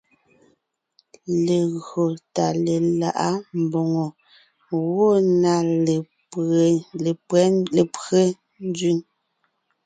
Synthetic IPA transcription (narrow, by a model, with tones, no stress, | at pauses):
le˨ɣɰo˨ta˨le˨la̰˨ʔa˦m˨bɔ˨ŋɔ˨ | wo˦˨na˨ | e˨pɛ˦e˨pɣe˦ | n˦dɥi˦ŋ